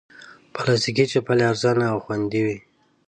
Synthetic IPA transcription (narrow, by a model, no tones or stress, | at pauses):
palɑst̪ikit͡ʃepaleaɾzɑnaːwxwand̪iwi